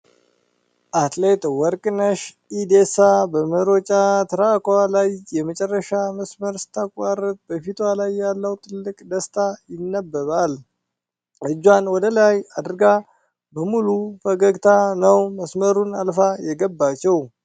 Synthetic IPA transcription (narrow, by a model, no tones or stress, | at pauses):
ʔat̪ʼlet̪ʼwɔɾkʼnəʃ | id̪esabəməɾot͡ʃʼat̪ʰəɾakalajːɛmət͡ʃʼɛrːəʃaməsməɾsɨ̥t̪ʰːakʷʼːarət̪̚bəfit̪ʰwalajːalːəwt̪ʰɨlːɨkʼd̪əst̪ʰajɪnːəbːəβal | ʔɨd͡ʒːwanwɔd̪əlajad̪əɾɡa | bəmulufəɡəɡt̪ʰanəwməsməɾunalfajɛɡəbːat͡ʃːɛw